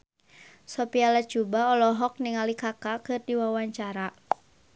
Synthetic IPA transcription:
sɔpialat͡ʃubaɔlɔɦɔk̚niŋalikakakɨrdiwawaɲt͡ʃaɾa

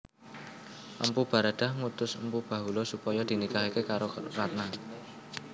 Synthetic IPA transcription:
ʔə̰mpub̥a̤ɾad̪̥a̤hŋut̪ʊsəmpub̥ä̤ɦulɔsupɔjɔd̪̥i̤nikaɦikekaɾorat̪̚na

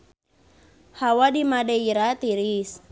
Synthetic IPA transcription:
hawadimadɛiɾat̪iɾis

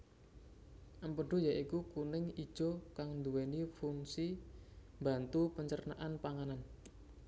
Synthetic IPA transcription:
ʔəmpəɖ̥o̤jaʔikukunɪŋid̥ʒ̥okaŋnd̪uwenifuŋsi | mba̤nt̪upəɲt͡ʃərna̰ʔanpaŋanan

